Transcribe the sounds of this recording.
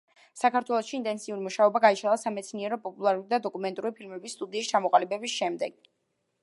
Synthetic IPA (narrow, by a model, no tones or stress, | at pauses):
sakʰaɾt̪ʰwɛlˠɔsʃiːnt̪ʼɛnsʰiuɾimuʃaɔbaɡaiʃalˠasamɛt̪sʰniɛɾɔpʼɔpʼulˠaɾuɾid̪ad̪ɔkʼumɛnt̪ʼuɾipʰilmɛbisːt̪ʼud̪iːst͡ʃʰamɔqʼalibɛbisʃɛmd̪ɛɡ̥̚